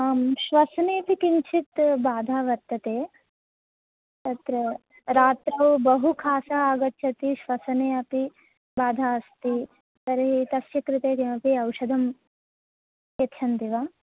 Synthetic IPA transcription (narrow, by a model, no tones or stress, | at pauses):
aːmʃʋɐsneːp̪ikiɲt͡ʃʰit̪baːd̪ʱaːʋɐɾt̪ːɐt̪eː | t̪ɐt̪ɾɐ | ɾaːt̪ɾɐwbɐɦukʰaːsɐaːɡɐtːʃʰɐt̪iʃʋɐsɐneːɐpi | baːd̪ʱaːɐst̪i | t̪ɐɾɐɦit̪ɐsʃɐkɾɪt̪eːkeɐpiɐwʃɐd̪ʱɐm | jɐtːt͡ʃʰɐnt̪iʋaː